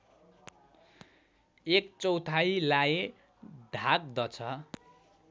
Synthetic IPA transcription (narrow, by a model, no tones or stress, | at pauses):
ekt͡sʌwt̪ʰailaje | d̪ʱak̚d̪ʌt͡sʰʌ